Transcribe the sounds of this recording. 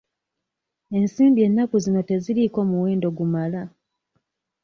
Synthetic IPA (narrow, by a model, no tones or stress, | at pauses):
e̞nsiːmbie̞nːakuzino̞te̞ziliko̞ːmuwe̞ːndo̞ɡumala